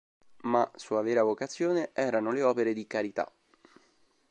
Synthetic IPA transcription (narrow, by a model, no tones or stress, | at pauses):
masuːavɛːɾavokat̪sːjoːneʔɛːɾanoleɔːpeɾed̪ikaɾit̪a̰